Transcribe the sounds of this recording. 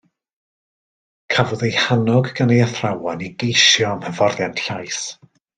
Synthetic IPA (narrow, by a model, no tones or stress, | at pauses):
kʰavɔðejhanɔɡɡanejəθrawɔniɡejʃjɔmhəvɔrðjantɬajs